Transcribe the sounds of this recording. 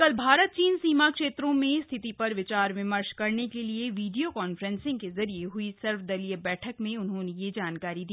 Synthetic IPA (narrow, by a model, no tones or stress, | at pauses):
kɐlbʱaːɾət̪̚t͡ʃiːnsiːmakʃeːt̪ɾõmẽst̪ʰɪt̪ipɐɾʋɪt͡ʃaːɾʋɪ̃məɾʃkɐɾnekelieʋiːɖijokɔːnfɾɛ̃nsɪ̃ŋɡkezɐɾieɦʊisɐɾfd̪ɐlijəbɛːʈʰəkmẽʊnɦõnejed͡ʒaːnkaːɾid̪iː